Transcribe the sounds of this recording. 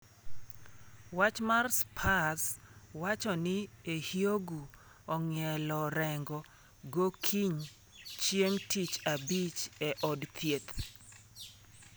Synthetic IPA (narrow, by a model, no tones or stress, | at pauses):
wat͡ʃmarspʰaswat͡ʃɔnɪehjoɡu | ɔŋjɛlɔɾɛŋɡɔ | ɡokʰiɲ | t͡ʃjeŋtit͡ʃabit͡ʃɛʔɔdt̪ʰjet̪